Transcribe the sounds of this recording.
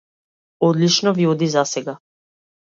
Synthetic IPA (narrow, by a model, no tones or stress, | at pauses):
ɔd̪lit͡ʃnɔviɔd̪izasɛɡa